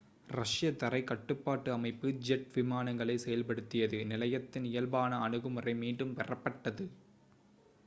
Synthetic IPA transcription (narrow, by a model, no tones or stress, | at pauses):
rɐʂɪjɐt̪ːɐrɐɪkɐʈːɯpːaːʈːɯɐmɐɪpːɯd͡ʒɛʈʋɪmaːnɐŋɡɐɭɐɪsɛjɐlpɐɽɯt̪ːɪjɐðɯnɪlɐjɐt̪ːɪnɪjɐlbaːnɐːɳɯɣɯmɯrɐɪmiːɳɖɯmpɛrɐpːɐʈːɐðɯ